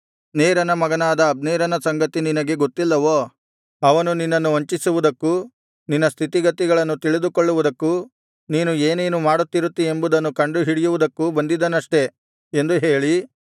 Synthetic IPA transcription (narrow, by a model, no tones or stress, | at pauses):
neːɾɐnɐmɐɡɐnaːd̪ɐːb̚neːɾɐnɐsɐŋɡɐt̪ininɐɡe̞ɡot̪ːilːɐʋoː | ɐʋɐnuninːɐnːuoɲt͡ʃisuʋud̪ɐkːu | ninːɐst̪ʰit̪iɡɐt̪ːiɡɐɭɐnːut̪iɭid̪ukoɭːuʋud̪ɐkːu | niːnueːneːnumaːɽut̪ːiɾut̪ːie̞mbud̪ɐnːukɐɳɖuɦiɽijuʋud̪ɐkːubɐnd̪id̪ːɐnɐʂʈe̞ | end̪uɦe̞ːɭi